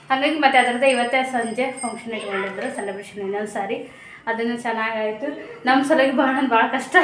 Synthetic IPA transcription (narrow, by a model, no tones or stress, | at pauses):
hɐnɡɐɡimɐt̪ːeɐd̪ɐkɐd̪eiʋɐt̪ːesɐɲd͡ʒepʰɐŋkʂɐniʈkoɳɖid̪ɐɾusɐnɖɐbeʃɐninːɐnsaːɾi | ɐd̪ɐnːɐt͡ʃɐnːaːɡaːjit̪ːunɐmːɐsɐlɐɡibʱaːɽɐnbʱaːɭɐkɐʂʈɐ